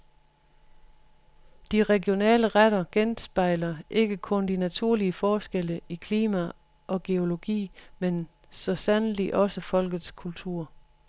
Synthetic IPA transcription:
d̥iʁɛɡjo̝nɛ̰ːləʁaɾɐɡ̥ensb̥ɑ̈ɪlɐʔe̝ɡ̥əkʰɔ̽nd̥inæt͡sʰuɐ̰liəfɒːsɡ̥eləikʰliːmæ | ʔɒ̽ɡ̥e̝o̝lo̝ɡ̥ḭːmen | sɒ̽sænliʔɒ̽səfɒ̽l̰ɡ̥ð̩ˠskʰult͡sʰuɐ̰

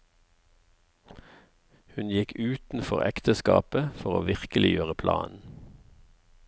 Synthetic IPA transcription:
hʉnjɪkʉːt̪n̩fɔʁɛ̰kt̪əskɑːpəfɔʁoːʋɪʁkəlɪjøːʁəpʰlɑ̰ːnn̩

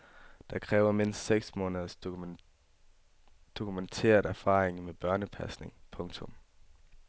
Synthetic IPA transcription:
d̥ɑ̈kʰʁɛːʊɐme̝n̰sd̥seɡ̥smɔ̝ːnðˠs | d̥o̝kʰument͡sʰe̝̰ːɐd̥æɐfɑ̰̈ːʁeŋmeb̥ɶɐnəpʰæsne̝ŋpʰɔ̽ŋt͡sʰɔ̽m

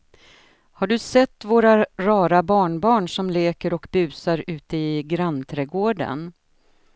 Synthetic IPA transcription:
haɖɵsɛt̪ːvoːɾaɾɑːɾabɑːɳbɑːɳʂɔmleːkəɾɔkbʉ̟ːsaɾʉ̟ːt̪əɪɡɾanːt̪ʰɾɛːɡoːɖə̰n

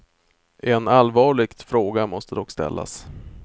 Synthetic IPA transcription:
ʔɛnalvɑːɭɪɡt̪fɾoːɡamɔst̪ʰəd̪ɔkːst̪ɛ̰lːa̰s

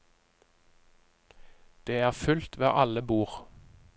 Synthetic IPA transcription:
d̪̥eːæːʁfʉlt̪ʋeːʔɑləbuːʁ

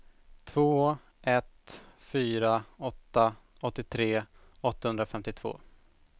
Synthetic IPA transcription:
t̪ʰvoː | ʔɛt̪fyːɾaɔt̪ːa | ɔt̪ːɪt̪ʰɾeː | ɔt̪ːahɵnd̪ɾafɛmt̪ɪt̪ʰv̥o̰ː

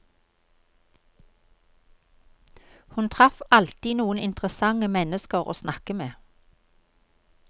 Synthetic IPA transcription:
hʉnt̪ʰʁɑfɑlt̪iːnuːənɪnt̪ʁəsɑŋəmɛnəskəʁo̰ːsnɑkəmeː

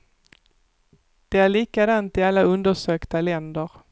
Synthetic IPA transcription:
d̪̥ɛæɭiːkad̪ant̪ɪalːaɵnd̪əʂøːkt̪alɛnd̪əɾ

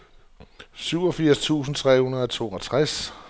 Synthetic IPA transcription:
syʊɒ̽fiɐ̰st͡sʰṵːsn̩t͡sʰʁɛ̰ːhunɐðˠɒ̽t͡sʰo̝̰ːɒt͡sʰʁas

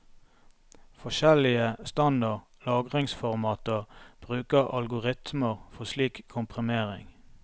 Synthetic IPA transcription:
fɔʃɛlɪəst̪ɑnd̪əʁ | lɑːɡʁɪŋsfɔʁmɑːt̪əʁb̥ʁʉːkəʁɑ̰lɡʊʁɪt̪məʁfɔsliːkʰːʊmpʰʁɪmeːʁɪ̰ŋ

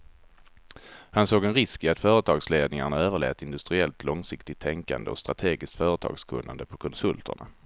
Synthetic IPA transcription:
hansoːɡɛnɾɪskɪat̪fœːɾət̪ʰɑːɡsleːd̪nɪŋaɳaøːvəɭḛːt̪ɪnd̪ɵst̪ɾɪɛlt̪ʰlɔŋsɪkt̪ɪt̪ʰːɛŋka̰nd̪əɔst̪ɾat̪ʰeːɡɪskt̪fœːɾət̪ʰɑ̰ːɡskʰɵ̰nːa̰nd̪əpʰɔkʰɔnsɵlt̪ʰə̰ɳa̰

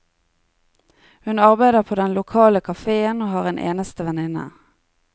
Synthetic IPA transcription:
hʉnɑʁbæɪd̪əʁpʰoːd̪ɛnlʊkʰɑːləkʰɑfeːənoːhɑːʁeːnʔḛːnəst̪əʋɛnɪnə̰

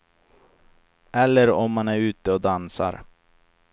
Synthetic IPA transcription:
ʔɛlːəɾɔmːanæɾʉ̟ːt̪əɔd̪ansa̰ɾ

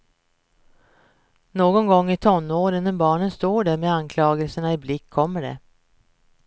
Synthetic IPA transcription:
noːɡɔnɡɔŋːɪt̪ʰɔnːoːɾɪnːənbɑːɳənst̪oːɖæɾmeankʰlɑːɡəlsəɳaɪblɪkʰːɔmːəɖɛ̰

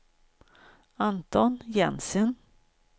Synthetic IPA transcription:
ant̪ɔnjɛnsən

